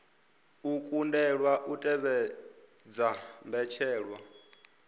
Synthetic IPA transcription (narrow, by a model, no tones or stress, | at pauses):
ukʼundɛɺwaʔutʼɛβɛ | d͡zambɛt͡ʃʰɛːɺwa